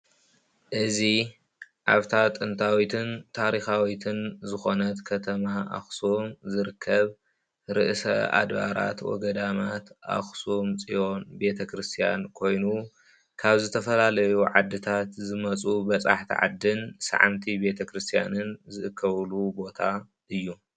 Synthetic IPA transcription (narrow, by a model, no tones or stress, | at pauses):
ʔɨzi | ʕaβt̪ʰat̪ʼɨnt̪ʰawit̪ʰɨnt̪ʰaɾixawit̪ʰɨnzɨxo̞nɐt̪kʰɐt̪ʰɐmaʔa̰xsomzɨɾɨkʰːɐβ | ɾɨʔsɐ̰ʔa̰d̪ba̰ɾa̰t̪wɔ̰ɡɐd̪amat̪ʔa̰xsomt͡sʼijo̞nbe̞t̪ʰɐkɾɨst̪ʰija̰nkʰo̞jnu | kʰaβzɨt̪ʰɐfɐlalɐjuʕad̪ːɨt̪ʰat̪zɨmɐt͡sʼubɐt͡sʼa̰ħt̪ʰḭʕa̰d̪ːɨnsa̰ʕa̰mt̪ʰibe̞t̪ʰɐkɾɨst̪ʰija̰nɨnzɨʔɨkʰːɐβlubo̞t̪ʰa | ʔɨjːu